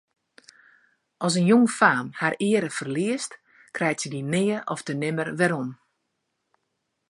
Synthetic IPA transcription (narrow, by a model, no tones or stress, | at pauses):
ʔɔs̬ənjoŋfaːmharɪəɾəfərliəst | krɛjtsədinɪːəʔɔfdənɪmərʋɛɾɔm